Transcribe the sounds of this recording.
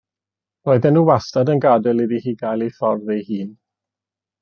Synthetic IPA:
roɨðɛnːuːwastadənɡadɛlˠidihiːɡajlˠifɔrðɛjhiːn

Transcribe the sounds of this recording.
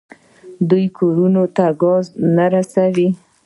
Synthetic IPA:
d̪ujkʰoɾunot̪aɡɑznaɾasawi

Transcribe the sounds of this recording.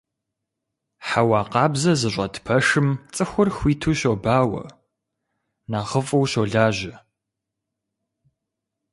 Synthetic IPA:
ħawɑːqɑːbzɐzɨɕʷʼɐtʰpʰɐʂɨmt͡sʼɨxʷʊrxʷiːtʰuːɕobaːwɐ̰ | naːʁəfʼɐwɕoɮaːʑɪ

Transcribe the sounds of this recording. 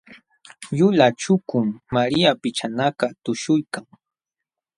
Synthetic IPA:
ʎʊlat͡ʃʊkʊmːaɾiapɪt͡ʃanakat̪ʊʃʊjkaŋ

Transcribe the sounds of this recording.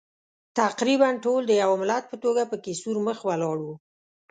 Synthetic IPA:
t̪aqɾibanʈold̪əjawmɪlat̪̚pət̪oɡapəkesuɾməxwalɑɽu

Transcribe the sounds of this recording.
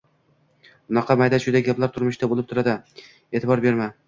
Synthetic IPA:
ʊnɑqʰɑmajd̪aʃʊd̪aɡʲaplaɾt̪ʰʊɾmʊʃd̪abolɪp̚t̪ʰʊɾad̪ɪ | eːt̪ʰɪbɒɾbe̞ɾma

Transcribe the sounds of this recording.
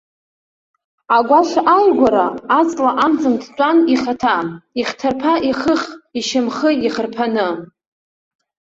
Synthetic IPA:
aɡʷaʃʷaʔajɡʷaɾaːt͡sʼlaʔamd͡zɨndt͡ʃʷʼaniχatʰaiχtʰarpʰaʔiχəχiʃɪmχəiχərpʰanɨ

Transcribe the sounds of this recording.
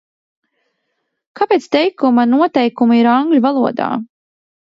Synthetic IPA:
kapeːt̪st̪ɛjkumanuɔt̪ɛjkumaiɾaŋɡlʲuvalˠuɔd̪a̰ː

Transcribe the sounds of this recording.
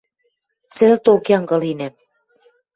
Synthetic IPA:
t͡sĕlt̪okjɑŋɡɤ̆linæm

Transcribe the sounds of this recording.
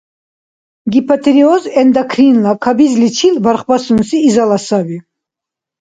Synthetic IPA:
ɡipʰat̪ʰɾiɔzɛnd̪akʰrinlakʰabizlit͡ʃʰilbaɾχbasunsiːzalasabi

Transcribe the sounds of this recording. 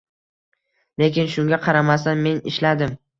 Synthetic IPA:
le̞kʲɪnʃʊŋɡʲaqʰɑɾamasanme̞nɪ̰ʃlad̪ɪm

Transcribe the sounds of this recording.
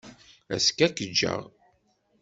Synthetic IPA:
æ̰skækːəd͡ʒːə̰ʁ

